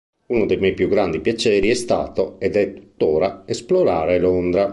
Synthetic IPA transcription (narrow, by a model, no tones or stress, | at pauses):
unod̪ejmɛjpjuɡɾand̪ipjat͡ʃɛːɾiɛst̪a̰ːt̪oed̪ɛt̪ːu̥t̪ːoːɾaesploɾaːɾelond̪ɾa